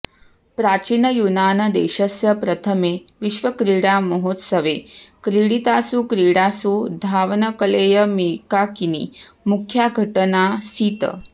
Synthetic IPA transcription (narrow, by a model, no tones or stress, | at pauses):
pɾaːt͡ɕiːnəjunaːnɐd̪ḛːɕəsjɐpɾɐt̪ʰəmeʋiʃʋəkɾiɽaməɦoːt̪səʋekɾiɽit̪asukɾiːɽasud̪ʱaːʋnəkəleːjəmiːkakinḭmukʰjaɡʱɐʈənasiːt̪ə̰